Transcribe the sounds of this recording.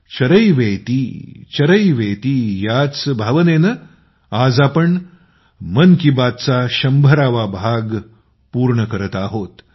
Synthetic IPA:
t͡ɕəɾəjʋejt̪it͡ɕəɾəjʋet̪ijat͡sbʱaʋənenə | ad͡zapəɳ | mənkibat̪̚t͡saɕɐmbʱəɾaʋabʱaɡ | puɾɳəkəɾət̪aɦot̪

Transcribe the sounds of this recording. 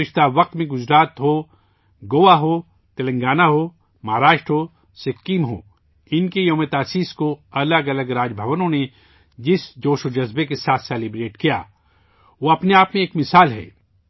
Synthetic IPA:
ɪʃt̪aʋɐq̚t̪mẽɡʊd͡ʒɾaːt̪ɦo | ɡoːʋaɦo | t̪ɐlə̃ŋɡaːnaɦo | mɐɦɾaːʃʈɦoː | sɪkːiːmɦo̰ː | ɪnkejoːmet̪aːsiːskoɐləɡɐləɡɾaːd͡ʒbʱɐʋənõne | d͡ʒɪsd͡ʒoːʃod͡ʒɐzbekesaːt̪ʰsɛːlibɾeːʈkija̰ː | ʋoɐpneaːpmẽeːkmɪsaːlɦɛ̰ː

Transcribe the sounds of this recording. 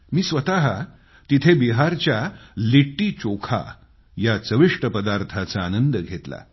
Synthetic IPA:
miːsʋət̪aɦa | t̪it̪ʰebiɦaɾt͡ɕjaliʈːiːt͡ɕokʰa̰ | jat͡səʋiʂʈəpəd̪aɾt̪ʰat͡saːnənd̪əɡʱet̪la̰

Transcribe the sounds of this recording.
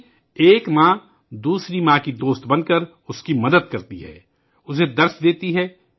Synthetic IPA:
eːkmãː | d̪uːsɾimãːkid̪oːst̪bɐnkəɾ | ʊskimɐd̪əd̪̚kɐɾt̪iɦɛ̰ː | ʊs̬ed̪ɐɾsd̪eːt̪iɦɛː

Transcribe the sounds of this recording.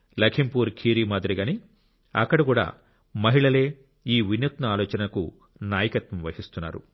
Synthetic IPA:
lɐkʰimpuːɾkʰiːɾiːmaːd̪ɾiɡaːni | ɐkːɐɽikuːɽa̰ː | mɐɦiɭɐle̞ː | iːʋinjut̪nɐaːlɔːt͡ʃɐnɐku | naːjɐkɐt̪ʋɐmʋɐhist̪unːa̰ːɾṵ

